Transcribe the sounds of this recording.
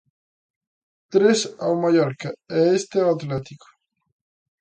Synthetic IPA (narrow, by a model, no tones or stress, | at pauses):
t̪ɾesawmajɔɾkaɛest̪eaat̪let̪ikʊ̥